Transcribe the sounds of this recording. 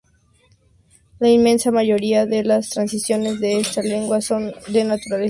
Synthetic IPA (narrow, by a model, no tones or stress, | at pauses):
lainmẽ̞nsamaʝo̞ɾiaðe̞last̪ɾansisjo̞ne̞zðe̞est̪ale̞ŋɡwaso̞nd̪e̞nat̪uɾale